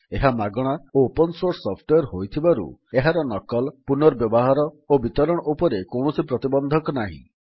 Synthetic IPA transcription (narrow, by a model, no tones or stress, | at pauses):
eɦamaɡɔɽ̃aopɔnsoɾsːɔpʰʈwejɔɾɦojt̪ʰibaɾṵeɦaɾɔnɔkɔlpunɔɾbjɔbɔɦaɾɔ | obit̪ɔɾɔɽ̃ɔʔupɔɾekowɳɔsipɾɔt̪ibɔnd̪ʱɔkɔnaɦḭ̃